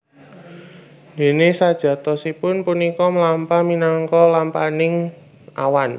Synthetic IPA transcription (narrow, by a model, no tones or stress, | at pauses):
d̪̥e̤nesad̥ʒ̥ä̤t̪ɔsipʊnpunikɔmlampaminaŋkɔlampanɪŋ | ʔa̰wan